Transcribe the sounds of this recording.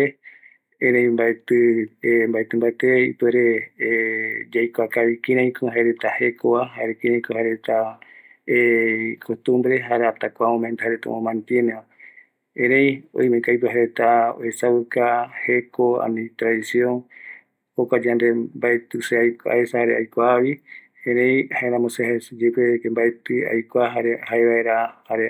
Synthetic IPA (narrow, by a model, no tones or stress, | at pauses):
e | ẽɾẽj̃mbaet̪ɨembaet̪ɨmbaet̪eḭpɨeɾe | d͡ʒajkʷakaβikĩɾãj̃kʰũhaeɾet̪ahekoβaɦaɾekĩɾãj̃kõhaɾet̪a | ekʰot̪ũmbɾeɦaɾeat̪akʷamõmẽnt̪ahaɾet̪a̰mõmãnt̪ienea | ẽɾẽj̃o̰j̃mẽkajp̬ɨɦaɾet̪ao̰esaβɨkahekoa̰nĩt̪ɾaðisjoŋ | hokʷad͡ʒand̪embaet̪ɨseajkʷa̰esahaɾeajkʷaβi | ẽɾẽjhaeɾãmosehaed͡ʒepekembaet̪ɨa̰jkʷaɦaɾehaeβaeɾahaɾe